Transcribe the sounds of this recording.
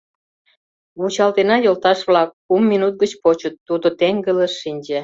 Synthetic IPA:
βut͡ɕɑlt̪enɑjolt̪ɑʃβlɑk̚ːumːinut̪̚ɡət͡ɕpot͡ɕət̪ːud̪ot̪eŋɡələʃːinʲd͡ʑe

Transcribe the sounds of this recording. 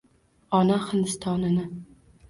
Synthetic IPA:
ɒnahɪnd̪ɪst̪ʰɒnɪnɪ

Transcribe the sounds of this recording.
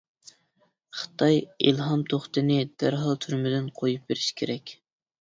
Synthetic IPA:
χə̥t̪ʰɑjilˠɦɑmt̪ʰoχt̪ɨnɪd̪̥æɾɦɑlˠt̪ʰyɾmɪd̪ɪnqʰojup̚beɾɪʃkʲʰeɾɛkʲ

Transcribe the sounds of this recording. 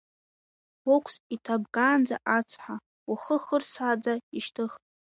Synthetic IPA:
wokʷʰsitʰabkʼaːnd͡za̰ʔat͡sʰħʷa | waχəχərsad͡zaiʃtʰɨχtʼ

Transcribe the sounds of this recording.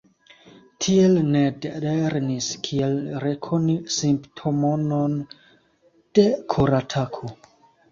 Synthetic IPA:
tʰie̞lne̞deɾniskʰielɾekʰonisimptʰo̞mo̞non | d̥e̞kʰoɾatʰakʰo

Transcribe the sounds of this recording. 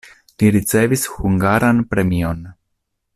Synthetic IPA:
liɾit͡se̞vishuŋɡaɾanpɾe̞mio̞n

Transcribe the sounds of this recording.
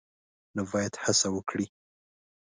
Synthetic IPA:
nabɑjad̪hasawəkɽi

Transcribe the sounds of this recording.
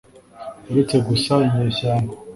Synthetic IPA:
eɾet͡seɡusaiɲeːsaːŋɡo

